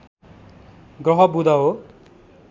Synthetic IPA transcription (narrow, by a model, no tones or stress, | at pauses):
ɡɾʌɦʌbud̪aɦo